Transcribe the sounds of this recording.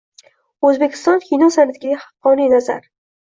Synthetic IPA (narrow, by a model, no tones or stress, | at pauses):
ɵzbekʲʰɪ̥st̪ɒnkʰʲijnɒsanat̪ʰɪɡʲaɡʲhɑ̥qːɒninaza̰ɾ